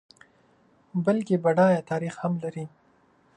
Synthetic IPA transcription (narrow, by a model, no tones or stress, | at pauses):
bəlkebaɖɑjat̪ɑɾixhamlaɾi